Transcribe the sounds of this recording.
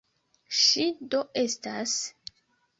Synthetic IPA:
ʃido̞e̞stas

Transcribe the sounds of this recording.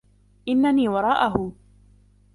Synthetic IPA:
ʔɪnːaniːwɑɾˤɑːʔaɦʊ

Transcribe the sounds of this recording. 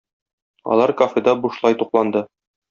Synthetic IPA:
ɒ̰lˠɑɾkofʲed̪ɑbuʃlˠɑjt̪uqlˠɑnd̪ɤ

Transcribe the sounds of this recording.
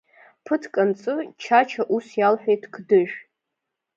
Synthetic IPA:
pʰɨtʰkʼant͡sʼɨt͡ʃʰat͡ʃʰaʔusjalħʷᶣejtʰkʰdɨʒʷᶣ

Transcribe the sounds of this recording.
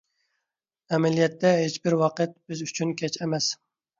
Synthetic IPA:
ɛmɛlijɛt̪ːɛɦet͡ʃbɪɾwɑqət̪̚b̥ɪzyt͡ʃʰynkʲʰɛt͡ʃɛmɛs

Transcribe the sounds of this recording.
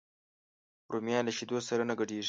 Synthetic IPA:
pɾomjɑlaʃid̪osaɾanaɡaɖeʐi̥

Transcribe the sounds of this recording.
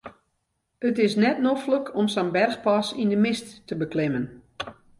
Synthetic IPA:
ətɪsnɛtnofləkʰɔmsanbɛrxpasindəmɪstːəbəklɪmən

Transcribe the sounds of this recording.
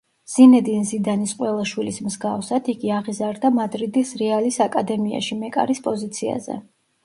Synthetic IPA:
z̥inɛd̪inzid̪anisqʼwɛlˠaʃwilismzɡafsad̪iɡiaʁizaɾd̪amad̪ɾid̪isɾɛalisakʼad̪ɛmia̰ʃimɛkʼa̰ɾispʼɔzit̪sʰia̰zɛ̰

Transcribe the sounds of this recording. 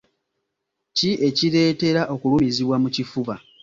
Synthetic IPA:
ciʔe̞ciɾe̞ːte̞ɾaʔo̞kulumiziβwamucifuβa

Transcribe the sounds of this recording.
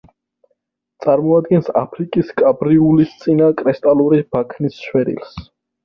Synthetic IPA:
t̪sʼaɾmɔad̪ɡɛnsa̰pʰɾikʼiskʼabɾiulist̪sʼinakʼɾɛst̪ʼaluɾib̥akʰnisʃwɛɾḭls

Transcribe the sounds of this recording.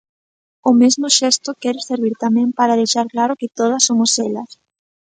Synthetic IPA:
ʊmezmʊʃɛst̪ʊkɛɾɪseɾβiɾt̪amɛ̃mpaɾað̞ejʃaɾklaɾʊkɪt̪oð̞ɐsomʊsɛlɐs

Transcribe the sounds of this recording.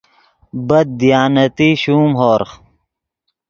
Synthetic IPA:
bɐd̪̚d̪ijaːnɐt̪iɕuːmɦoːɾχ

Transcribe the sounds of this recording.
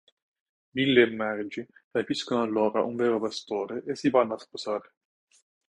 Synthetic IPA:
milːemːɛɾd͡ʒirapiskonoalːɔːɾa̰ʔuɱveːɾopast̪oːɾeʔesːivanːasposaːɾe

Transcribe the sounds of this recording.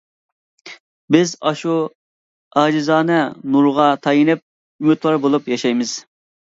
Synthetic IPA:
bɪzɑʃu | ɑːd͡ʒɪzɑːnɛnuɾʁɑt̪ʰɑjinɪp̚ | ymyt̪lˠɑɾbolˠupjɑʃɑjmɪz̥

